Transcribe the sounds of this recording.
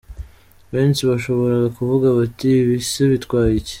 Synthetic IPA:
βe̞ːnsiβaʃo̞βo̞ɾaɡakuvuɡaβatiβiseβitkwaːjice̥

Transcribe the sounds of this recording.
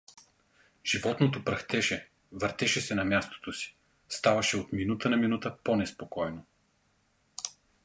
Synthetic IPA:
ʒ̥ivɔt̪not̪opɾɐxt̪ɛʃɛ | vəɾt̪ɛʃɛsɛnɐmjast̪o̥t̪osi̥ | st̪avɐʃɛot̪minut̪ənɐminut̪əponɛspokɔjno

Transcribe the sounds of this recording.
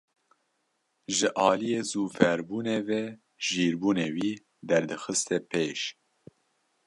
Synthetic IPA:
ʒɨʔɑːlijeːzuːfɛɾbuːneːvɛ | ʒ̥iːɾbuːneːwiː | d̪ɛɾd̪ɨxɨst̪ɛpʰeːʃ

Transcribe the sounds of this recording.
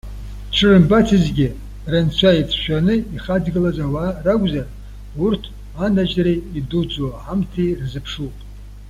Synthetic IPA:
ʈ͡ʂʰɨrɨmbatʰizɡʲɪ | rɨnt͡ɕʷʰaipʰʃʷᶣanɨiχadɡɨlazawaraɡʷzar | urtʰ | anad͡ʒreidud͡zʷoaħamtʰirzɨpʰʂupʼ

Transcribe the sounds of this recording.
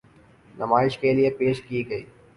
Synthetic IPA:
nɐmaːɪʃkelijepeːʃkiɡɐiː

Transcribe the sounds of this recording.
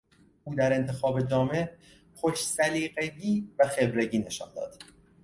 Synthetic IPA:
ʔuːd̪æɾe̞nt̪ʰe̞xɒːbe̞d͡ʒɒːme̞ | xoʃsæliːɢeɟiːvæxe̞bɾe̞ɟiːne̞ʃɒ̰ːnd̪ɒ̰ːd̪̥

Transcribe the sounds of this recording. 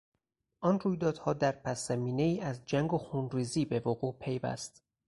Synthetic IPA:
ʔɒnruːjd̪ɒːd̪̥hɒːd̪æɾpʰæsæmiːne̞iːʔæzd͡ʒæŋɡoxunriːziːbe̞voɣuːʔpʰe̞jvæ̰st̪

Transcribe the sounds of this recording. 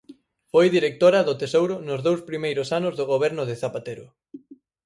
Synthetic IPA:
fojðiɾek̚t̪oɾɐðʊt̪esowɾʊnʊzðowspɾimejɾʊsanʊzðʊɣ̞oβ̞ɛɾnʊðeθapat̪eɾʊ̰

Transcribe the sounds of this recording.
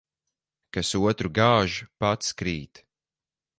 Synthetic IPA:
kasuɔt̪ɾuɡaːʒupat̪skɾiːt̪

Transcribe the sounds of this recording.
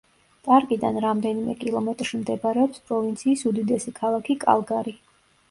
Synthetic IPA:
tʼaɾkʼid̪a̰nɾamd̪ɛnimɛ̰kʼilˠɔmɛt̪ʼɾʃimd̪ɛbaɾɛɔpspʼɾɔvint̪sʰiːsud̪id̪ɛsikʰalˠakʰikʼa̰lˠɡaɾi

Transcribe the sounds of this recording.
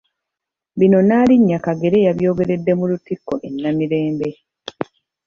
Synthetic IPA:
bino̞naːliɲːakaɡe̞ɾe̞jaβjo̞ːɡe̞ɾe̞dːe̞mulutikːo̞ʔenːamiɾe̞ːmbe̞

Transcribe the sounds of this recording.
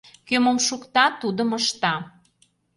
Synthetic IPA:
køməmʃukt̪ɑt̪ud̪əməʃt̪ɑ

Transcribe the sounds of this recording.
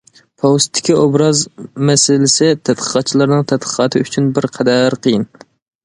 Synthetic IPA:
pʰowst̪ʰːɪ̥kʲiobɾɑzmɛsɪlɪsɪt̪ʰæt̪̚qʰə̥qʰɑt̪̚t͡ʃʰilˠɨɾnɨŋt̪ʰɛt̪̚qʰə̥qʰɑt̪ʰɨyt͡ʃʰynbɪɾqʰɛd̪æɾqʰəjɪn

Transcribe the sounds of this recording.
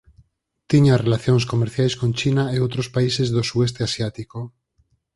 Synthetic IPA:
t̪iɲarelaθjoŋs̬komeɾθjajskõnt͡ʃinaeowt̪ɾospaisezðosuðest̪easjat̪iko

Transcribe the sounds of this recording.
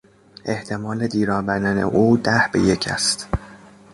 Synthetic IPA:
ʔe̞ht̪ʰe̞mɒːled̪iːɾɒːbæɾd̪ænḛʔuːd̪æhbe̞̰je̞cʰæ̰st̪

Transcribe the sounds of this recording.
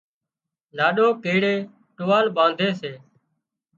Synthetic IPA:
laːɗoːkeːɽeː | ʈʊʋaːlɓãːnd̪ʱeːseː

